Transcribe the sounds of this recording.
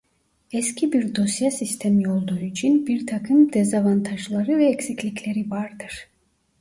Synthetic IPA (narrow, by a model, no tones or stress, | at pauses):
ɛscʲʰibiɾd̪o̞sjasist̪ʰemijolˠd̪aɾuyt͡ʃʰynbiɾt̪ʰakʰɯmd̪ɛzavant̪ʰaʒlˠaɾɯvɛːcsicʰlʲicʰʲlʲeɾivaɾd̪ɯɾ̥